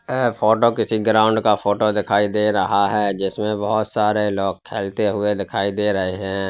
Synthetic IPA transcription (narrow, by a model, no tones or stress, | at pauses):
ɦɛfʰoːʈokɪsiɡɾãːʊ̃ɳɖkafoːʈod̪ɪkʰaːid̪eːɾɐɦaɦɛːd͡ʒɪsmẽbɐɦʊt̪saːɾeloːɡ̚kʰːeːlt̪eɦʊed̪ɪkʰaːid̪eːɾɐɦeɦɛ̃ː